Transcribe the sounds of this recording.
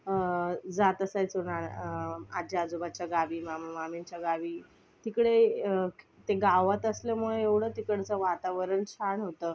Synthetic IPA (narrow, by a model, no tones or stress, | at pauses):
d͡zat̪əsajt͡səna | ad͡ʑaad͡zubat͡ɕjaɡaʋiːmamamiɲt͡ɕjaɡaʋiː | t̪ikɽe | t̪eɡaʋət̪əslem̤uɭũeʋɽ̤ət̪ikəɽ̤t͡səʋat̪aʋəɾəɳt͡ɕʰaɳɦot̪əː